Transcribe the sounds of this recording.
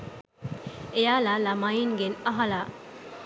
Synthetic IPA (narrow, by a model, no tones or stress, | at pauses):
ejaːlalamajinɡenɐɦala